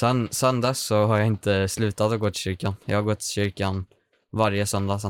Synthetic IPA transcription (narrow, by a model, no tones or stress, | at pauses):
sɛnsœnd̪ɛsːɔɦaɾjaɪnt̪əslʉ̟ːt̪at̪ɔɡoːt̪ɪɕʏɾkanjɑ̰haɾɡɔt̪ʰːɪ̥ɕʏɾkan | vaɾjəsœnd̪asɛ